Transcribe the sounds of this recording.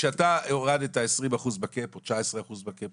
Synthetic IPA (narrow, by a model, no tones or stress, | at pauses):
ʃeatajoʁadetaesʁimaχuzbakepot͡ʃaesʁeaχuzbakep